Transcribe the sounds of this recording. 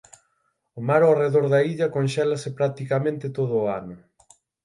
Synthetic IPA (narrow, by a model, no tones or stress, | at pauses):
ʊmaɾoareðoɾðɐiʎɐkonʃɛlɐsɪpɾak̚t̪ikɐmẽnt̪ɪt̪oðʊːa̰nʊ